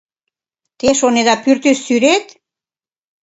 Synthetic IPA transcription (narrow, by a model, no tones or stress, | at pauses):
t̪eʃoneðɑpyrt̪ysːyɾet̪